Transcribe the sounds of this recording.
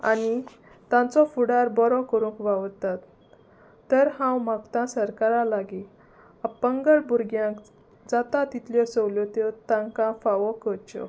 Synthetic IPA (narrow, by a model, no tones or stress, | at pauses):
a̰ni | t̪ãt͡sɔfuɽaɾbɔɾɔkəɾũŋkʋaʋt̪at̪ː | əɾhãwmakt̪ãsəɾkaɾalaɡi | apəŋɡəɭbuɾɡjãk | d͡zat̪at̪it̪ljɔsəwljɔt̪et̪ãŋkãfaʋɔkət͡ɕɔ̰